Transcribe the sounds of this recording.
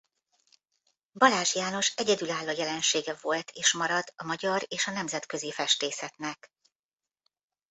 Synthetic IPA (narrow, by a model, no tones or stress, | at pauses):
bɒlaːʒijaːno̞ʃɛɟɛd̪ylaːlːoːjɛlɛnʃeːɡɛvo̞lt̪ʰeːʃmɒɾɒd̪ɒmɒɟɒɾeːʃɒnɛmzɛt̪kø̞zifɛʃt̪eːsɛt̪nɛk